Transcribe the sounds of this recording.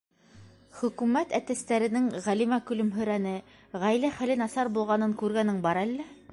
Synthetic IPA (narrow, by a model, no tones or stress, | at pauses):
χɵ̆kʉmæt̪æt̪æst̪æɾɘ̆nɘŋʁælimækɵ̆lɵmɦɵ̆ɾænɘ | ʁæjlæχælɘnɑsɑɾbulˠʁɑnɤŋkʉɾɡænɘŋbɑɾælːæ